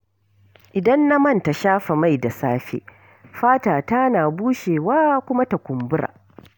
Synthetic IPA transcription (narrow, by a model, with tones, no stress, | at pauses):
ʔɪ˨dɐ˦nːa˦mɐ˦˨nta˨ʃaː˦ɸa˨ma˦˨jda˨saː˦ɸḛː˦ | ɸaː˦taː˨ta˦naː˨buː˦ʃeː˨waː˦kʷʊ˦ma˦ta˨kʷʊ˨mbʊ˦ɾa̰ː˨